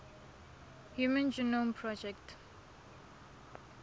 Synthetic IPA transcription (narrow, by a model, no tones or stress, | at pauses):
hjumə̃nd͡ʒunõmpʰɹɔd͡ʒɛkt